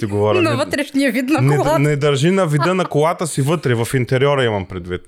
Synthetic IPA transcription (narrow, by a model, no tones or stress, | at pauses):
t̪iɡovɔɾɐnɐvət̪ɾɛʃniɐvit̪nɐnɛnɛd̪ɐɾʒinɐvid̪ənɐkolat̪əsivɤt̪ɾɛvɐfint̪ɛɾʲɔɾɐimɐmpɾɛd̪vit̪̚